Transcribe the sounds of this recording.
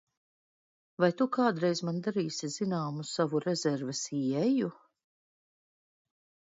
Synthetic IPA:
vajt̪ukaːd̪ɾɛjzmand̪aɾiːsizinaːmussavuɾɛzɛɾvɛsiɛju

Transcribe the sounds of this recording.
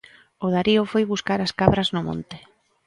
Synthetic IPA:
ʊðaɾiʊfojβuskaɾaskaβɾaznʊmõ̰nt̪ɪ̥

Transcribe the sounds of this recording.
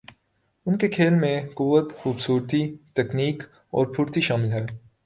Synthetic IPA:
ʊnkekʰeːlmẽkuʋət̪xuːbsuːɾt̪it̪ɛkniːk | ɔ̰ːɾpʰʊɽt̪iʃaːmɪlɦɛː

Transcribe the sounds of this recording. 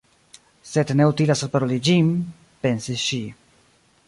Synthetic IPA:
se̞dne̞ut̪ilasalpaɾolid͡ʒim | pe̞nsisʃi

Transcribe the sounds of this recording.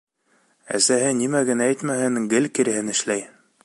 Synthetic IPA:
æ̰sæɦɘnimæɡɘ̆nææjt̪mæhɘŋɡɘlkiɾɘ̆hɘnɘ̆ʃlæj

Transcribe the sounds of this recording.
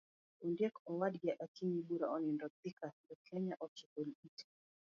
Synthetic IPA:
undiɛkɔwadɡaʔakiɲiɓuɾaɔnindɔt̪ikadɔkʰɛɲaʔɔt͡ʃikulitḁ

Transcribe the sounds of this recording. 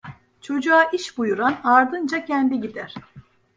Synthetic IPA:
t͡ʃʰo̞d͡ʒuaʔiʃbujuɾanaɾd̪ɯnd͡ʒacʰɛnd̪iɟid̪æɾ̥

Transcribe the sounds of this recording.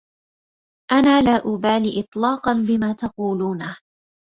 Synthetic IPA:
ʔanaːlaːʔʊbaːliːʔɨt̪ˤlɑːqɑnbɪmaːt̪ɑquːluːna

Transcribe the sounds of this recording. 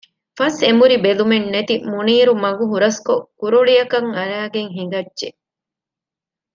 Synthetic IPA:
fɐsemuɾibelumenːet̪imuniːɾumɐɡuɦuɾɐskokuɾuɭijɐkɐŋɐɾæːɡeŋɦiŋɡɐdʒe

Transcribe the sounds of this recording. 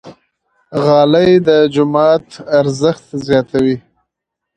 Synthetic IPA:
ɣɑləjd̪əd͡ʒʊmɑt̪aɾzəxt̪zjɑt̪awi

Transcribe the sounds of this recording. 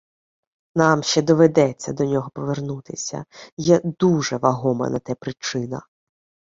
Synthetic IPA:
nɑmʃt͡ʃɛd̪ɔʋed̪ɛt͡sʲːɐd̪ɔnʲɔɦɔpɔʋernut̪ɪsʲɐ̰jɛd̪uʐɛʋɐɦɔmɐ̰nɐt̪ɛpɾɪt͡ʃɪnɐ̰

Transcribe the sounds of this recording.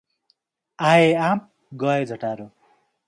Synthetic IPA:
aeam̚ | ɡʌed͡zʱʌʈaɾu

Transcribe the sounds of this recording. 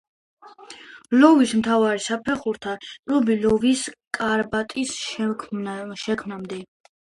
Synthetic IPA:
lɔvismt̪ʰavaɾisapʰɛχuɾt̪ʰatʼɾɔbilɔviskʼaɾbat̪ʼis | ʃɛkʰmnamd̪ɛ

